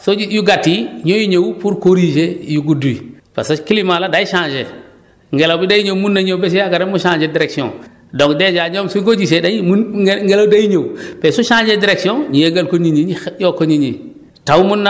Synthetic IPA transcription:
soijuɡatːiɲojiɲowpuɾkoɾiʃejuɡudui | pa̰sokilimaladajiʃãːd͡ʒe | ŋɡelabidajiɲowmunːaɲowbes̬ujaɡaɾemuʃãːnd͡ʒediɾeksiõ̰ŋ | doŋkded͡ʒaɲomsukod͡ʒis̬edaimuŋɡelawdajiɲowpesuʃãːd͡ʒediɾeksiõɲijeɡalkoɲiɲiijokːoɲiɲi | tawmunːa

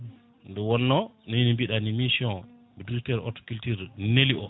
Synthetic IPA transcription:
ndɛwɔnːɔninimbiɗanimisiɔ̃ | biduɾitɛɾɔ̰tɔ̥kultiɾneliʔɔ

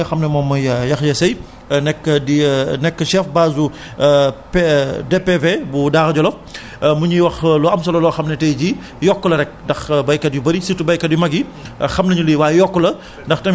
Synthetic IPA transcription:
ɐxɐmnɛmɔːmːɐjjɐxjɐsɐj | nɛkːədinɛkːəʃɛfbaːzu | pedɛpevebudaːɣɐɟɔlɔf | muɲiwɐxluɐmsɐlɐlɔːxɐmnɛtɛjɟi | jɔkːɔlɐɾɛk̚dɐxbɐjkɐdjubɐɾisitubɐjkɐdjumɐɡixɐmnɐɲuliwaːjjɔkːɔlɐ | ndɐxtɐ

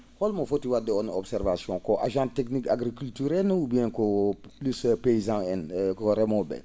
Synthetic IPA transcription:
hɔlmofotiwadeɔnɔbsɛɾvasjɔ̃kɔʔaʒãtɛknikaɡɾikyltyɾɛnubijɛ̃koplyspeizãɛnkoɾɛmɔ̃bɛ̰

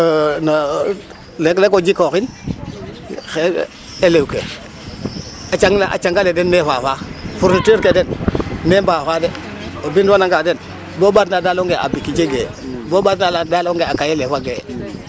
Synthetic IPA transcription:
na | leklekod͡ʒikoxin | xe | elewkḛ | at͡ʃaŋlaʔa̰t͡ʃaŋɡaledenːefafafuɾniteɾkedennembafade | obindanaŋɡaden | bobadnadaloŋɡeʔa̰bikid͡ʒeɡḛbobadnaladaloŋɡeakajelefaɡe

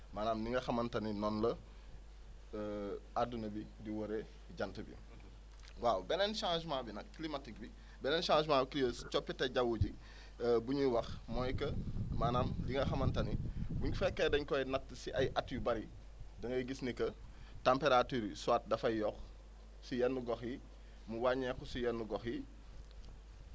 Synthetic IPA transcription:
maːnaːmdiŋɡɐxɐmɐntɐninɔnlɐ | adunɐbidiwoɾe | ɟɐntəbḭ | wawbɛnɛnʃãːʒmãːbinɐkkːlimatik̚bi | bɛnɛnʃãːʒmãkijəst͡ʃɔpːitɛɟɐwuɟi | buɲuwɐxmɔjkɐmanɐmdiŋɡɐxɐmɐntɐnibuɲufɛkːɛdɐɲkɔjnɐk̚tsiʔɐjʔatjubɐɾi | dɐŋɡɐjɡisnikɐ | tampeɾatiːɾisuaːt̚dɐfɐjjɔx | sijɛnːuɡɔxji | muwaɲɛkusijɛnːuɡɔxji

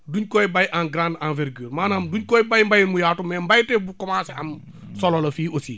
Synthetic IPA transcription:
duɲkɔjbajʔanɡɾãndãnvɛɾɡøːɾmaːnamduɲkɔjbajmbajinmujaːtumːɛmbajtɛbukɔmaːsɐm | sɔlɔlɐfiːʔosḭː

